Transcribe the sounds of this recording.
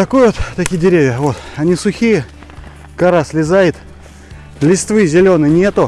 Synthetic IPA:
t̪ɐkojvot̪t̪ːɐkʲijɪdʲɪɾʲevʲjəvo̞t̪ɐnʲisʊxʲijə | kɐɾasʲlʲɪzajɪt̪ | lʲɪst̪vɨzʲɪlʲonɨjnʲe̞t̪ʊ

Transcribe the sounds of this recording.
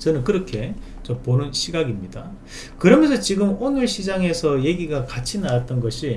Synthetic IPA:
t͡ɕʌnɯnkɯɾʌkʰe̞ | t͡ɕoponɯnɕʰiɡaɡimɲida | kɯɾʌmjʌnsʰʌt͡ɕiɡɯmonɯɭɕʰid͡ʑaŋe̞sʰʌje̞ɡiɡakat͡ɕʰinaat̚t͈ʌnɡʌɕʰi

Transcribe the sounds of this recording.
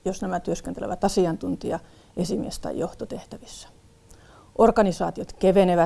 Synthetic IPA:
josnæmæt̪yøskent̪elḛʋæt̪ɑsiɑnt̪unt̪iɑ | ʔesimḭest̪ɑ̰joht̪ot̪eht̪æʋisːæ̥ | ʔorkɑnisɑːt̪iot̪keʋeneʋæ

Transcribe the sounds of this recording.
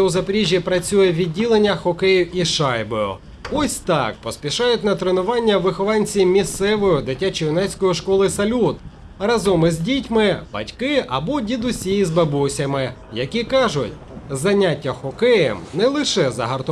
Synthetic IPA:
ɛʊzɐpeɾʲiʒʲjipɾɐt͡sʲujɛʋʲidʲːilˠenʲːɐxɔkɛjʊwʔiʃɑjbɔjʊ̰ | ɔsʲt̪ɑ̰kpɔsʲpʲiʃɑjʊtʲnɐt̪ɾenʊʋɑnʲːɐʋɪxɔʋɑnʲt͡sʲimʲist̪sɛʋɔjʊd̪ɪtʲːat͡ʃijʊnɛsʲkɔjiʃkɔlˠɪsɐlʲut̪ | rɐzɔmɪzʲdʲitʲmɪbɐ̰tʲkɪʔɐbɔdʲid̪ʊsʲijizbɐbɔsʲɐmɪjɐkʲikɑʒʊtʲ | zɐnʲatʲːɐxɔkɛjɛ̰mnɛlˠɪʃɛzɐ̰ɦɐrt̪

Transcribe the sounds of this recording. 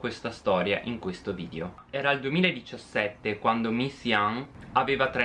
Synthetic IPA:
kwest̪ast̪ɔːɾja̰ʔiŋkwest̪oviːd̪eo | ɛːɾaːld̪uemiːlaed̪it͡ʃasːɛt̪ːekwand̪omisiaŋaveːvat̪ɾe

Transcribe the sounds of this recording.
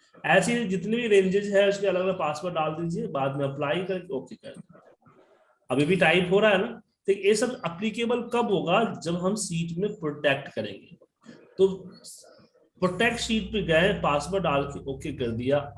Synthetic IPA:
ɛːsed͡ʒɪt̪nebʱiɾẽːɲd͡ʒɪd͡ʒɦɛʊskeɐləɡɐləɡ̚paːspəɾɖaːld̪id͡ʒiẽbaːd̪mẽɐplaːikɐɾekeoːkekɐɾd̪ | ɐbʱibʱiʈaːɪpɦoːɾaaɦɛnaː | t̪ekjeːsɐbɐplikeːbəlkɐbɦoːɡad͡ʒɐbɦɐmsiːʈmẽpɾoːʈɛːk̚ʈkɐɾḛ̃ːŋɡḛː | t̪oː | pɾoːʈɛːk̚ʈsiːʈ̚peɡɐẽpaːspəɾɖaːlkeʔoːkekɐɾd̪ijaː

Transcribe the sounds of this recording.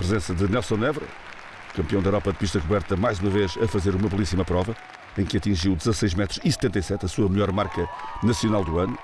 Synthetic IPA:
pɾɨzẽsɐðɨnɛlˠsõɛvɾɐ̰ | kɐ̃mpiɐ̃w̃d̪ɐewɾɔpɐðpiʃt̪ɐkuβɛɾt̪ɐmajzumɐveʃɐfɐzeɾumɐβlˠisimɐpɾɔvɐ | ẽj̃kɐt̪ĩʒiwd̪ɨzɐsɐjʒmɛt̪ɾuʃisɨ̥t̪ẽnt̪ɐjsɛt̪ɐsuɐmʎɔɾmaɾkɐnɐsiunalˠd̪uɐnu

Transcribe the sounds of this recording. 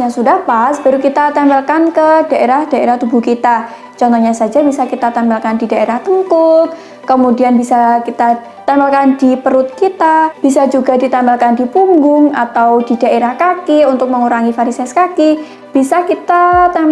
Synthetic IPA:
aŋsudahpasb̥aɾukit̪at̪ambalkankədaʔeɾahd̥aeɾaht̪ubukit̪a | t͡ʃɔnt̪ɔɲasad͡ʒabisakit̪at̪ambalkandidaeɾaht̪əŋkʊt̪̚ː | əmudianbisakit̪a | t̪ambalkandipəɾʊt̪̚kit̪ab̥isad͡ʒuɡadit̪ambalkandipuŋɡʊŋat̪awdidaʔeɾahkakɪunt̪ʊk̚məŋuɾaŋifaɾisɛskakɪ | b̥isakit̪at̪a

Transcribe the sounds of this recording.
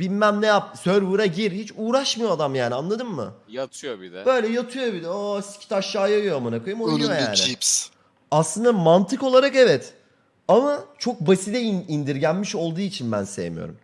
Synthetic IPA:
binmæmnɛjap̚søɾbuɾaɟiɾhit͡ʃʰuːɾaʃmɯjoad̪amjaːnianlˠad̪ɯmːɯ̰jat̪ʰɯjobidɛb̥øjlʲɛjat̪ʰɯjo̞bid̪ɛosi̥cʲʰi̥t̪ʰaʃjaːjajomanakʰojɯmonujoja̰ːnɪ̰s | aslˠɯnd̪amant̪ʰɯko̞lˠaɾakevɛt̪ | amat͡ʃʰo̞k̚basid̪ɛinind̪iɾɟænmiʃo̞lˠd̪uːit͡ʃʰinbæ̰nsejḛmy̰jo̰ɾṵm

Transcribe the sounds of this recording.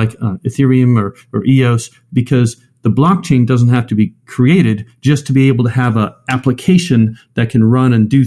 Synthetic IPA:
aɪkɨθɪɹiɨ̃mə˞ | ə˞ʔioʊs | b̥ɨkʰʌz | ðəblɑk̚t͡ʃʰẽɪ̃ndʌzn̩t̚hæftɨbikʰɹ̥ieɪɾɨd̚ | d͡ʒʌstʰɨbieɪbl̩ˠtɨəvəʔæpləkʰeɪʃɨ̃nðɨt̚kʰɨ̃nɹʌ̃nɨ̃ndɨ

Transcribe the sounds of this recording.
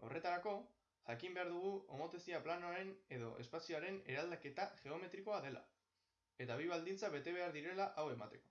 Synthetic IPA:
o̞̰re̞t̪aɾako̞ | ʝakimbe̞aɾðuɣ̞uomo̞t̪esiaplanoaɾe̞ne̞ðo̞̰ʔe̞spasioaɾe̞ne̞ɾald̪ake̞t̪aʝe̞o̞me̞t̪ɾiko̞aðe̞la̰ | e̞t̪aβ̞iβ̞ald̪int͡saβe̞t̪e̞β̞e̞aɾðiɾe̞laʔawe̞ma̰t̪e̞ko̞̥

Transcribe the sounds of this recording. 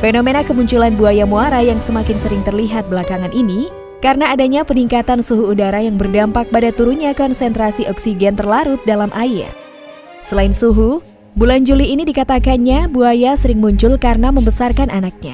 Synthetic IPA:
fenomenakəmuɲt͡ʃulanbuajamuaɾajaŋsəmakɪnsəɾɪŋt̪ərliɦat̪̚bəlakaŋanʔini | kaɾənaːdaɲapəniŋkat̪ansuɦuːdaɾajaŋbərdampak̚padat̪uɾunɲakɔnsɛnt̪ɾasiʔɔksiɡɛnt̪ərlaɾʊt̪̚dalamʔaɪ̰r | səlaɪnsuɦu | buland͡ʒuliːnidikat̪akanɲabuajasəɾɪŋmuɲt͡ʃʊlkarənaməmbəsarkanʔanak̚ɲa̰

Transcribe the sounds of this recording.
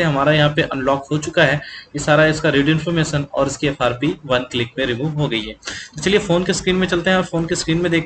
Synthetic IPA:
eɦɐmaːɾajɐɦãpeʔɐ̰̃nlɔːkhot͡ʃʊkaɦɛkisaːɾaɪskaɾiːɖɪ̃nfɔɾmeːʃənɔ̰ːɾɪskeːfʰaːɾpiʋɐnklɪkmẽɾɪmuːʋɦoɡɐiɦɛːt̪ot͡ʃɐliefoːnkeskɾiːnmẽt͡ʃɐlt̪eɦɛ̃ɔːɾfoːnkeskɾiːnmẽd̪eːk̚ʰ

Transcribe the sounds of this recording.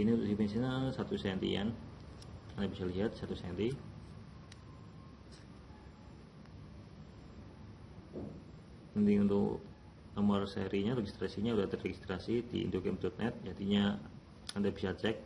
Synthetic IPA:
init̪usipansinasat̪usɛnt̪ḭa̰n | andabisaliɦat̪̚sat̪usɛnt̪i | niunt̪ʊk | namarsḛɾiɲaɾeɡist̪ɾasiɲaudaht̪ərrɛɡist̪ɾasidḭḭndoɡɛmt̪ɔt̪̚nʔɛt̪̚d͡ʒad̪iɲa | andabisat͡ʃɛk̚

